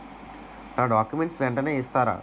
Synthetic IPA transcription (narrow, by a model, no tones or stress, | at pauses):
naːɖaːkjumeɳʈsʋɛɳʈɐneːist̪aːɾa̰ː